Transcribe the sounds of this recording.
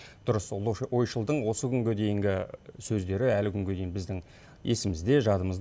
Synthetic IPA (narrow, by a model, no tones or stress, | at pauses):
d̪̥ʊɾəslˠojʃəlˠd̪əɴwo̞səkʲʰʏŋɡʲed̪e̞jɪŋɡʲɪsɵzd̪e̞ɾɪælɪkʲʰʏŋɡʲed̪e̞jɪnbɪzd̪ɪŋ | e̞sɪmɪzd̪e̞ʒɑd̪əməzd̪